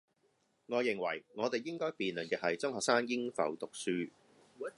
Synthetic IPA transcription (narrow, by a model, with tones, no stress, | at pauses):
ŋɔː˨˧jɪ˨ŋwɐ̰˨˩jŋɔː˨˧t̪e˨jːɪ˥ŋkɔː˥jpiː˨nlɵ˨˩nkɛː˧hɐ˨jt͡sʊ˥ŋhɔː˨k̚saː˥njɪ˥ŋfɐ̰˨˧wt̪ʊ˨k̚syː˥